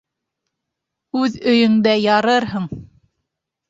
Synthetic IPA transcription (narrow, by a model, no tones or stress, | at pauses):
ʉðɵ̆jɵ̆ŋd̪æjɑɾɤɾɦɤɴ